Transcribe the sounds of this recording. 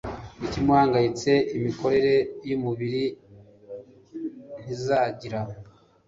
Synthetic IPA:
icimuhaːŋɡajit͡se̞ʔimiko̞ɾe̞ɾe̞jumuβiɾi | n̥izaːɟiɾa

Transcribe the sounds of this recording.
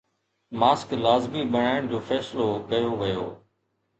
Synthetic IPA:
maːsklaːzmiɓəɽ̤̃aːɪɽ̃d͡ʑoːfɛːslokɐjoːʋɪjo̰ː

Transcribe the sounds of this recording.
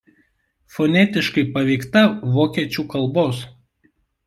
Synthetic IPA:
fɔnʲɛt̪ʲɪʃkɐɪpɐʋʲɛɪkt̪ɐʋoːkʲiɛt͡ʃʲuːkɐlˠboːs

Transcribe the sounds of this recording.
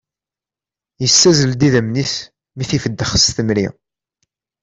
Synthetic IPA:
jəsːæzəld̪iðæmniθ | miθifəd̪ːəχsθəmɾi

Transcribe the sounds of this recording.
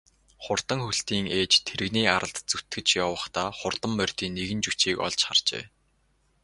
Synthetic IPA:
χʊrt̪ə̆ŋxuɬt̪iːŋeːt͡ɕt̪ʰeɾɘ̆ɣniːaɾʔə̆ɬt̪t͡sut̪ɡɘ̆t͡ɕjɔwə̆χt̪aːχʊrt̪ə̆mːœr̥ʲt̪iːnːeɣɘ̆nt͡ɕut͡ɕiːkɔ̰ɮt͡ɕχa̰r̥t͡ɕḛː

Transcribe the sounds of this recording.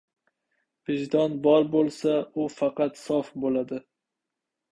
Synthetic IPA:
b̥ɪʒd̪ɒnbɒɾbolˠsaʊfɑqɑt̪sɒfbolad̪ɪ

